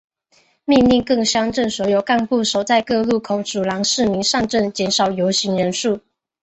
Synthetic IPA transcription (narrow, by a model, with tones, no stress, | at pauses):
mi˥˧ŋli˥˧ŋkɤ˥˩ŋɕjɑ˥ŋʈ͡ʂə˥˩nswɔ˧˥jo˨˩ʊka˥˧npu˥˩ʂo˨˩ʊt͡sa˥˧ɪkɤ˥˧lu˥˩kʰʊ˧˥ŋʈ͡ʂu˨˩lɑ˧˥ŋʂɻ̩˥˩mi˧˥ŋʂɑ˥˧ŋʈ͡ʂə˥˩nt͡ɕjɛ˧˥nʂɑ˨˩ʊjo˧˥ʊɕi˧˥ŋɻə˧˦˥nʂu˥˩